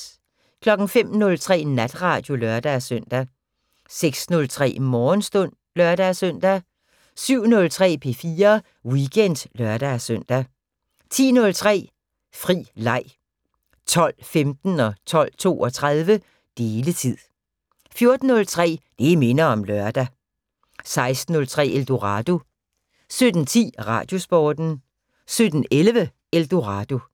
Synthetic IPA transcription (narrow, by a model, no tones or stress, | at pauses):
kʰlɒ̽ɡ̥n̩fem̰nɔ̽lt͡sʰʁɛ̰ːnæd̥ʁɑ̈ːd̥jo̝lɶɐd̥æsœn̰d̥æ | seɡ̥snɔ̽lt͡sʰʁɛ̰ːmɒːnsd̥ɔ̽n̰ | lœɐɾ̥æsøn̰d̥æ | syʊ̰nɔ̽lt͡sʰʁɛ̰ːpʰe̝fiːɐ | wiɡ̥ʰen̰d̥lɶɐɾ̥æsøn̰d̥æ | t͡sʰḭːnɔ̽lt͡sʰʁɛ̰ː | fʁḭːlɑ̈ɪ̰ | t͡sʰɒ̽l̰femd̥n̩ɒ̽t͡sʰɒ̽l̰t͡sʰo̝̰ːɒ̽t͡sʰʁað̞ˠʋə | d̥e̝ːlət͡sʰið̰ˠ | fjo̝ɐd̥n̩ːɔ̽lt͡sʰʁɛ̰ːd̥e̝me̝nɐɒ̽mlɶɐd̥æ | sɑ̈ɪsd̥n̩ɔ̽lt͡sʰʁɛ̰ːeld̥oʁɑd̥o̝ | sød̥n̩t͡sʰḭːʁɑ̰̈d̥jo̝sb̥ɒːd̥n̩ | sød̥n̩elʋə | eld̥o̝ʁɑ̈d̥o̝